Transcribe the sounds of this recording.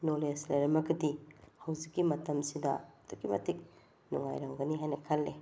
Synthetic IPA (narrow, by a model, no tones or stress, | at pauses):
noleslɐjɾɐmɐɡɐdihɐwzikːimɐtɐmsidɐ̰tʰukːimɐ̰tʰik̚ | nṵŋa̰jɾaŋɡɐniɦajnɐkʰalːe